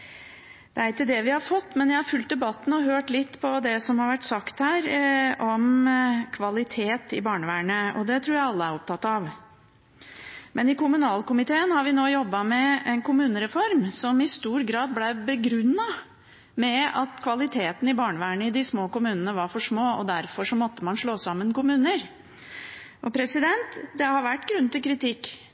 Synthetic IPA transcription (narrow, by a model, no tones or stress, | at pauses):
d̪̥ɛæɾɪkːəd̪ɛʋɪhɑɾfɔt̪ːmɛnjæɪhɑɾfʉlt̪̚d̪ɛbɑt̪ːn̩ɔɦøːʈlɪt̪ːpʰɔd̪ɛsɔmhɑɾʋæʈːsɑkt̪hæːɾɔmkʰʋɑlɪt̪ʰeːt̪ɪbɑːɳəʋæːɳəɔ̰d̪ɛt̪ʰɾuːɾjæɪɑlːəæɾɔp̚t̪ʰɑt̪ːɑʋ | mʔɛnɪkʊmʉnɑːlkʊmɪt̪ʰeːənhɑɾʋɪnoːjɔbːɑmɛɛnkʊmʉːnəɾɛfɔɾmsɔmɪst̪uːɾɡɾɑːd̪̚blæbəɡɾʉnːɑ | mɛɑt̪kʰʋɑlɪt̪ʰeːt̪n̩ɪbɑːɳəʋæːɳəɪd̪ɪsmoːkʊmʉːnənəʋɑɾfɔʂmoːɔd̪æɾfɔʂɔmɔt̪ːəmɑnʂɭoːsɑmːənkʊmʉːnəɾ | ʔɔpʰɾɛsɪd̪ɛnt̪d̪ɛhɑɾʋæʈːɡɾʉnt̪ɪlkʰɾɪt̪ɪkː